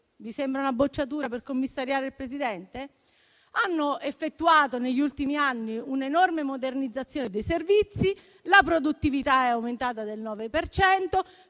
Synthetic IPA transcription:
visembɾaunabot͡ʃːat̪̬uːɾaperkomːisːaɾjaːɾeilpɾesid̪ɛnt̪e | anːoefːet̪ːuaːt̪oneʎːult̪imianːiunenormemod̪ernid̪zːat̪sːjoːned̪ejservit̪si | lapɾod̪ut̪ːivit̪aɛawment̪aːt̪ad̪elnɔːvepert͡ʃɛnt̪o

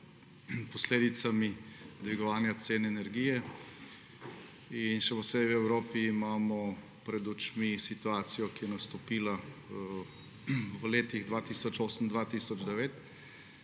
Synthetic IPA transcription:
pɔsleːd̪it̪samid̪ʋiɡɔʋaːnjat̪seːnɛɛnɛɾɡijɛ | inʃɛpɔseːbiwɛwɾoːpiːmaːmɔ | pɾɛd̪ut͡ʃmisit̪uaːt̪sijɔkijɛnɐst̪ɔpiːla | ʋəleːt̪iɣd̪ʋaːt̪iːsɔt͡ʃoːsənd̪ʋat̪iːsɔd͡ʒd̪ɛʋeːt̪

